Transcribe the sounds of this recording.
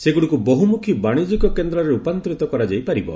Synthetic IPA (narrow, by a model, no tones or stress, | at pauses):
seɡuɽikuboɦumukʰibaɽ̃id͡ʒikɔkend̪ɾɔɾeupant̪ɾit̪ɔkɔɾad͡ʒajpaɾibɔ̰